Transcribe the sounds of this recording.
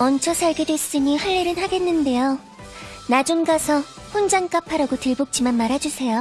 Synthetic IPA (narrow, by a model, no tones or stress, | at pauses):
ʌnt͡ɕʰʌsʰaɭɡe̞dwe̞s͈ɯɲihaɭːeɾɯnhaɡe̞nːɯnde̞jo | nad͡ʑuŋɡasʰʌ | ɸond͡ʑaŋk͈apʰaɾaɡotɯɭbok̚t͡ɕ͈ʰimanmaɾɦad͡ʑusʰe̞jo